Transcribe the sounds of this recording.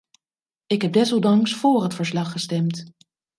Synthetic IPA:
ɪkɦɛb̚dɛsɔlˠdɑŋsfʊːrɦətfəɹslɑχːəstɛmt

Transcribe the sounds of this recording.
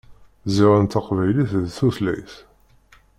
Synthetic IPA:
ziʁənt̪ːaqvæjliθðθuslæ̰jθ

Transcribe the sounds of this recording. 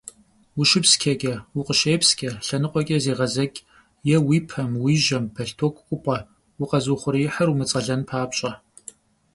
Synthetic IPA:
wʊʃɪpskʲʰɐkʲʼɐwʊqəʃeːpskʲʰʼɐɬɐnɨqʷʼɔkʲʼɛzeːʁɐzɐkʲʼ | jɛwiːpʰɐmwiːʒɐmpʰɐɬtʰokʷʼkʷʼʊpʼɐ | wuqɐzuːχʷʊɾijɪħərumɨt͡sʼɐɮɐnpʰaːpɕʼɐ

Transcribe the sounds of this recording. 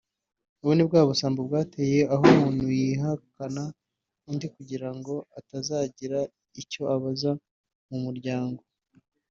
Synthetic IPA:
uβwonib̚ɡaːβosaːmbobɡaːteje̞aɦomuːnhhujiɦakana | undikuɟiɾaŋɡo̞atazaːɟiɾa | ico̞aβaza | mumuɾɟaːŋɡo̞

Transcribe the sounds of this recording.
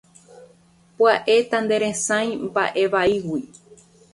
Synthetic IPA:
paʔe̞t̪and̪e̞ɾẽsãj̃mba̰ʔe̞ʋaiwi

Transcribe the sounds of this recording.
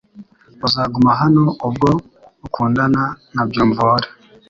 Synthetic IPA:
uzaɡumaɦanoobɡo | ukʰuːndananabjoːmvoɾa

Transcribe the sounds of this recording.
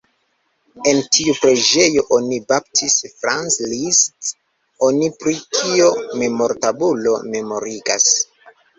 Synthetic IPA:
e̞ntʰiupɾe̞d͡ʒe̞jo̞ʔonibap̚tʰisfɾanslist | o̞nipɾikʰio̞me̞mo̞ɾtabulo̞̰me̞mo̞ɾiɡa̰s

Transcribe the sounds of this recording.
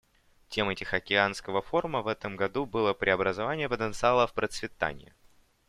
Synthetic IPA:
tʲe̞mɛtʲɪxɐkʲɪanskəvəfo̞rməvɛt̪əmɡɐd̪ubɨlˠəpɾʲʔɪɐbɾəzɐvanʲɪjəpət̪ənt̪sɨalˠəfpɾət̪svʲɪt̪a̰nʲɪ̰jɪ̰

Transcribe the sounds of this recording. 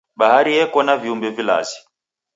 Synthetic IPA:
ɓahaɾijɛkɔnaviumbɛvila̰zi

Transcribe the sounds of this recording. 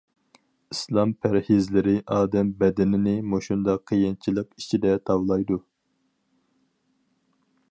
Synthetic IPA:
islˠɑmpʰæɾhizlɪɾɪʔɑːd̪ɛmbɛd̪ɪnɪnɪmoʃund̪ɑqʰːijint͡ʃʰilˠəqi̥t͡ʃʰid̪ɛt̪ʰɑwlˠɑjd̪u

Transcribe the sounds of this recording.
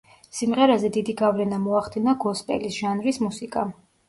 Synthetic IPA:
simʁɛɾazɛd̪id̪iɡavlɛnamɔaχd̪inaɡɔspʼɛ̰lisʒ̥anɾismusikʼa

